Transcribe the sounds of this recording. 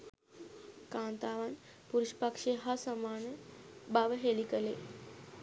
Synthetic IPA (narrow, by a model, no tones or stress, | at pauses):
kãnt̪aʋan | puɾuɕpəkʂeɦasəmanbaʋəɦelikəle